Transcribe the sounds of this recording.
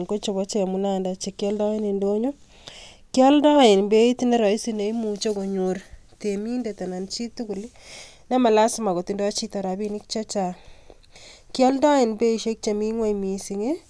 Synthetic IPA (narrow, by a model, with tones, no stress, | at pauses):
ŋko˦t͡ʃo˨βɔ˦t͡ʃe˦˨mu˨na˦nda˨t͡ʃe˨kːjɔ˦ldɔ˦e˦ne˨ndo˦ɲo˦ | kjɔ˦ldɔ˦ɪ˨nbe˦i˦tine˦ɾɔ˨i˦sine˨imu˨t͡ʃo˦ko˨ɲoɾ | temi˦nde˨ta˨na˨nt͡ʃi˦t̪u˦ku˨li˦ | na˦ma˨la˦sma˨ko˨ti˨ndɔ˦t͡ʃi˦tɔ˨ɾa˨bi˦ni˦k̚t͡ʃa˦t͡ʃa˨ | kjɔ˦lda˦ɪ˨nbe˦i˨ʃe˦k̚t͡ʃa˨mi˦ŋwa˦jmi˨si˨ŋe˦